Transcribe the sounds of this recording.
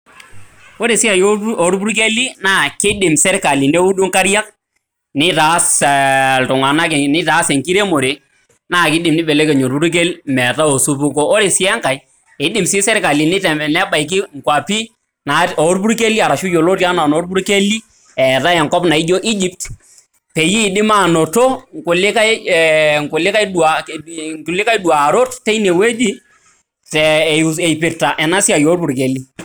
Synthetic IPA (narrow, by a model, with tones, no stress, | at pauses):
o˦ɾe˨sɪ˦a˨jo˨ɾbu˦ɾk̬e˦li˦na˦˨kɪ˦dɪ˨msɛ˦ɾka˨li˨ne˦u˦du˦ŋka˦ɾja˦k̚ | nɪ˦ta˨˦sltʊ˨ŋa˨na˦kɛ˨nɪ˦ta˨˦se˨ŋki˦ɾe˦mo˨ɾe˨ | na˦˨kɪ˦dɪ˨mnɪ˦be˨le˦ke˨ɲo˨ɾbu˦ɾk̬e˦lmɛ˨ta˦o˨su˦pu˦ko˦o˦ɾe˨sɪ˦ɛ˦ŋka˨j | ɪ˦dɪ˨msɪ˦sɛ˦ɾka˨li˨nɪ˦tnɛ˦ba˨i˨k̬ɪ˦ŋ̩˨kwa˨pi˦ | na˨o˨˦ɾpu˦ɾke˦li˦a˨ɾa˨ʃu˦jo˨lo˦ti˦a˦na˨no˨˦ɾbu˦ɾke˦li˦ | ɛ˨ta˦ɛ˨ŋkɔ˦pna˨i˦d͡ʒo˦ʔi˦d͡ʒi˦p̚t | pe˨jiː˦˨dɪ˦ma˦˨no˨to˦ŋ˨kʊ˨lɪ˦ka˦˨ | ŋ˨kʊ˨lɪ˦ka˦jɗu˨a˨ku˨lɪ˦ka˦jdu˨a˨ɾo˦tte˦ne˨we˦d͡ʒi˦ | tɛ˨ɛ˨jpɪ˨ɾta˨ʔɛ˨na˦si˦a˨jo˨˦ɾbu˨ɾke˨li˦